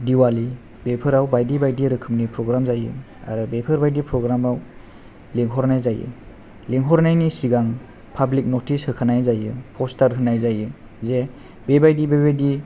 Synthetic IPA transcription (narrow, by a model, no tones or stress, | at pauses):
diwali | bepʰɯɾawbajdibajdiɾɯkʰɯmnipɾɔɡɾamzajɯ̰ | a̰ɾɯbepʰɯɾbajdipɾɔɡɾamaw | liŋɦɔɾnajzajɯ̰ | liŋɦɔɾnajnisiɡaŋ | pʰablik̚notʰishɯkʰanajzajɯpʰɔstaɾɦɯnajzajɯ | ze | bebajdibebajdi